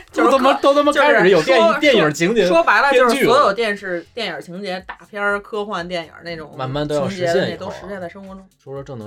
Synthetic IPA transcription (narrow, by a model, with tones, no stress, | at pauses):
t͡ɕjo˥˧ʊt̪o˥mə˧t̪ʊt̪mə˧t͡ɕa˥ɪɻ̩˨˩˥jo˨˩ʊt̪t̪jɛ˥˩njə˞˨˩t͡ɕʰi˧˥ŋt͡ɕjɛ˧ʂwɔ˥pa˧˥ɪlə˧t͡ɕʊʂ̩˥y˥˧˩ɔ˧˥jo˨˩ʊt̪jɛ˥˧nʂɻ̩˥˩t̪jɛ˥˩njə̰˞˨˩t͡ɕʰi˧˥ŋt͡ɕjɛ˧˥t̪a˥˩pʰjɑ˥˧kʰɤ˥xwa˥˧nt̪̬jɛ˥˩njə̰˞˨˩ne˥˩ɪʈ͡ʂʊ˨˩ŋma˨˩nma˥˩nt̪o˥ʊjɑ˥˧˥ŋt͡ɕʂt͡ɕ̩ɻɛ˧˥jɛ˥˩nɛ˨˩t̪o˥ʊʂɻ̩˧˥jɛ˥˧nt͡sa˥˩ɪʂɤ˥ŋxwɔ˧˥ʈ͡ʂʊ˥ŋʈ͡ʂʰu˧˥ə˧ʈ͡ʂɤ˥˩nɤ˧